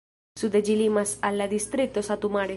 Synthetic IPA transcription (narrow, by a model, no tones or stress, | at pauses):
sud̪ed͡ʒilimasalːad̪ist̪ɾit̪osat̪umaɽe